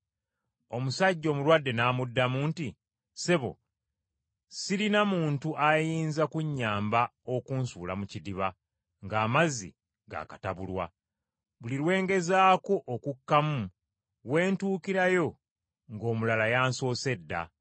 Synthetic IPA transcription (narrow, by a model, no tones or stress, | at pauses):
o̞musaɟːo̞ːmulwadːe̞naːmudːamuːnti | se̞βo̞̰ | silinamuːntuʔajiːnzakuɲːaːmbao̞kuːnsuːlamucidiβa | ŋɡaːmazḭ | ɡa̰ːkataβulwa̰ | βuliɾwe̞ːŋɡe̞zaːko̞ʔokukːamu | we̞ːntuːkiɾajo̞ | ŋɡo̞ːmulalajaːnso̞ːse̞dːa̰